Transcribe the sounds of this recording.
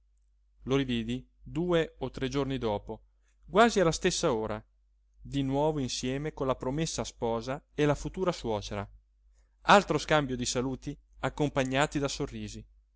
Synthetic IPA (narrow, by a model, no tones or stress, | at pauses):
loɾiviːd̪i | d̪uːeot̪ːɾɛd͡ʒornid̪ɔːpo | ɡwaːzialast̪esːaoːɾa̰ | d̪inwɔːvoinsjɛːmekonlapɾomesːaspɔːzaelafut̪uːɾaswɔːt͡ʃeɾa̰ | alt̪ɾoskambjod̪isaluːt̪i | akːompaɲːaːt̪id̪asorːiːzi